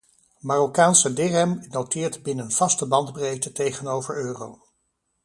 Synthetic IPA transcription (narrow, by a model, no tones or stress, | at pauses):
maːrokaːnsədɪrɛmnowtɪːɹtbɪnənv̥ɑstəbɑndbrejtətejχənowvəɹøːrow